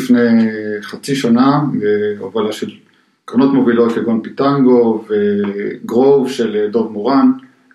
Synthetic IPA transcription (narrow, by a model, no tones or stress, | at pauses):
fneχat͡siʃanabeovalaʃel | kʁonot̪mo̞vilot̪leɡonpit̪aŋɡoveɡʁovʃeledovmoʁan